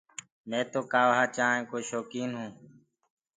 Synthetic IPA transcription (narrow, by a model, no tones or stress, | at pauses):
nẽːt̪oːkaːʋɦaːt͡ʃaːẽːkoːʃoːkiːnɦũː